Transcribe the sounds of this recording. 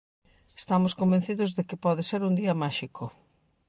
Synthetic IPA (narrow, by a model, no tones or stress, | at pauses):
est̪amʊskombẽn̟θiðʊzðekɪpɔðɪseɾund̪iɐmaʃikʰʊ